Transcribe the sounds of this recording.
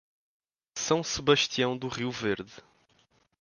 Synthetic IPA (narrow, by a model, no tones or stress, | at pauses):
sɐ̃w̃sɨβɐʃt̪iɐ̃w̃d̪uʁiwveɾðɨ